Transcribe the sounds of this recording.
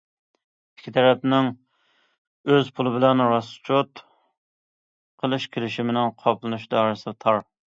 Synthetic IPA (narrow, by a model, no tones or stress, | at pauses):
i̥kʲʰːit̪ʰɛɾɛpnɪŋ | øzpʰulˠɨbɪlɛnɾɑst͡ʃʰot̪ | qʰəlˠɨʃkʲʰelɪʃimɪnɪŋqʰɑplˠɨnuʃd̪ɑːɾɨsɨt̪ʰɑɾ